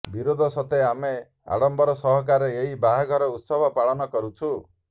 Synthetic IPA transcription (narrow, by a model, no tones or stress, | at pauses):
biɾod̪ʱɔsɔt̪eame | a̰ɽɔmbɔɾɔsɔɦɔk̬aɾeeɦibaɦaɡʱɔɾɔut̪sɔbʱɔpaɭɔnɔkɔɾut͡ʃʰu